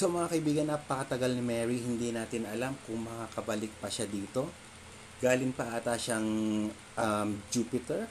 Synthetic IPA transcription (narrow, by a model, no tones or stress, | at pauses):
soʔɐmɐŋakɐʔɪibiːɡɐnʔɐpːɐkɐt̪ɐɡalnɪmɛɹihɪnd̪inaːt̪ɪnɐlamkʊŋmɐkakɐbɐlɪk̚pɐʃad̪iːt̪o̞ | ɡ̥aːlɪŋpɐʔat̪aʃaŋ | ʔɐmd͡ʒuːpɪt̪ɛɹ